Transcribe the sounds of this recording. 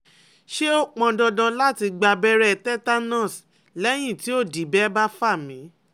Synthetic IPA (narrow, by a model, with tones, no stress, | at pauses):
ʃe˦o˦˨k͡pɔ̃˧dɔ̃˧dã˧la˦ti˧ɡ͡ba˧bɛ˧ɾɛ˦˨tɛ˦ta˦nã˦˨s | lɛ˦j̃ĩ˦˨ti˨˦o˦˨di˨˦bɛ˦ba˦fa˦˨mĩ˨˦